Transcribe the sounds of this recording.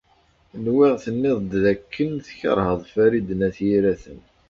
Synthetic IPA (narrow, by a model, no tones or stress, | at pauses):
nwɪʁθənːɪðˤd̪ðækʰːənθçə̰ɾˤhəðˤfæɾid̪ənæθjiɾæθən